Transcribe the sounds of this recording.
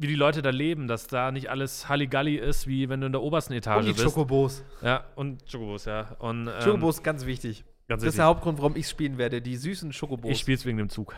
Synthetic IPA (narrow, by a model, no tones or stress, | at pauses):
viːdiːlɔʏtədaːleːbm̩d̥asd̥aːnɪçtʔa̰ləshaliɡaliɪstv̥iːvɛnduːɪndeɐʔoːbɐstn̩etʰaːʒəbɪsoskoboːsjaːʔʊntʃokoboːsjaːʔʊntʔɛʃoːkomboːsɡ̥ant͡sv̥ɪçtɪç | ɡ̥ansv̥ɪɪstɪdeɐhaʊp̚tɡ̥ʁʊntv̥aʁʊmɪçsʃpiːlənveːɐdədiːzyːsn̩ʃokoboɪçsʃpiːlsv̥eːɡŋ̩deːmt͡suːk